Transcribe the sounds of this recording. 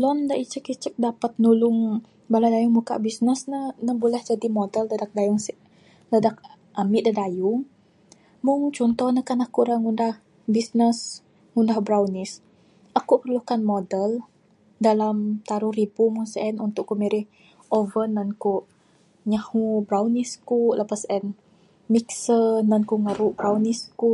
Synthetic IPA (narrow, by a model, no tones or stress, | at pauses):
lɔndaʔit͡ʃəkit͡ʃək̚dapat̪̚nulʊŋ | baladajuŋmuka̰ʔbisnəsnənəbulɛhd͡ʒadimodəldadak̚dajʊŋsiʔ | ladak̚ | ʔamiʔdadajʊŋ | mʊŋt͡ʃɔnt̪ɔhnəkanakuɾaŋundah | bisnəs | ŋundahbɾawnis | ʔakuʔpərlukanmodəl | dalamt̪aɾuhribumuŋsɛnunt̪ʊʔkːumiɾɪh | ʔovənːankuʔ | ɲahubɾawniskuləpasʔɛn | miksənankuŋaɾuʔbɾawnisku